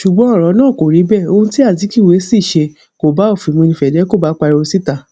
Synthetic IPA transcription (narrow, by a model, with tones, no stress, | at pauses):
ʃu˨ɡ͡bɔ̃˨˦ɔ˦˨ɾɔ˨˧˦nãː˦˨ko˨ɾi˨˦bɛ˦˨o˧ũ˦ti˦a˦˨t̬i˨˦ki˦˨we˨˦si˦˨ʃe˧ | ko˨ba˨˦o˦˨fi˨mũ˧e˧nĩ˧fɛ˨dɛ˨˦ko˦˨ba˨˦k͡pa˧ɾi˧o˧si˦ta˧